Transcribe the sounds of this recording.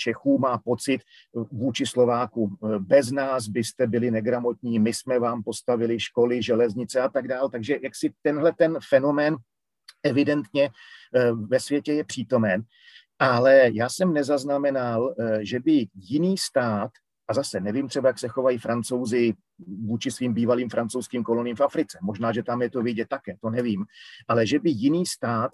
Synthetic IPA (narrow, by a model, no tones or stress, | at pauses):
t͡ʃɛxuːmaːpo̞t͡sɪt̪ | vuːt͡ʃɪslo̞vaːkubɛznaːs̬bɪst̪ɛbɪlɪnɛɡɾamo̞t̪ɲiːmɪsmɛvaːmpo̞st̪avɪlɪʃko̞lɪʒɛlɛzɲɪt͡sɛat̪aɡdaːlt̪aɡʒɛjaksɪt̪ɛnɦlɛt̪ɛnfɛno̞mɛːn | ɛvɪdɛnt̪ɲɛ | vɛsvjɛcɛjɛpr̥iːt̪o̞mɛn | ʔalɛjaːsɛmnɛzaznamɛnalʒɛbɪjɪniːst̪aːt̪ | ʔazasɛnɛviːmt̪r̥ɛbajaksɛxo̞vajifɾʔant͡so̞wzɪ | vuːt͡ʃɪsviːmbiːvaliːmfɾant͡sowskiːmko̞loniːmfafɾɪt͡sɛmo̞ʒnaːʒɛt̪amjɛt̪ovɪɟɛt̪̚t̪ːakɛːt̪o̞nɛviːmʔalɛʒɛbɪjɪniːst̪aːt̪